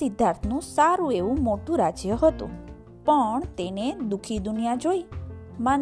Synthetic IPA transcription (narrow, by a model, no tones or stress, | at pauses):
ɪd̪ʱːaɾt̪ʰnũsaɾũeʋũmoʈũɾad͡ʒjəɦət̪ṵ̃ | pəɳt̪ened̪ukʰid̪unijad͡ʒoiman